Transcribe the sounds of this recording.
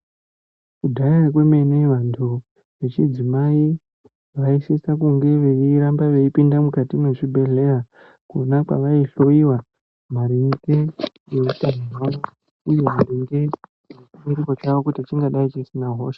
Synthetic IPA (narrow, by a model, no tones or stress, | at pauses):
kudʱak̬we̞meneʋantʰu | ʋe̞t͡ʃid͡zimai | ʋaisisakuŋɡe̞ʋe̞iɾambaʋe̞ipindamukatimwe̞ʂibʱe̞ɮe̞ra | kunakwa̰ʋaiɬo̞iwa | maɾiŋɡe | jeutanirwao | uje̞mariŋɡe | et͡ʃumiɾiko̞t͡ʃaʋo̞kutit͡ʃiŋɡaɗait͡ʃisinaɦo̞ːʃḁ